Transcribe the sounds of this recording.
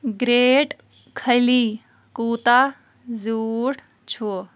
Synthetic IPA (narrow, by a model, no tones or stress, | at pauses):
ɡɾeːʈ | kʰəjli | kuːt̪a | zuːʈ | t͡ʃʰo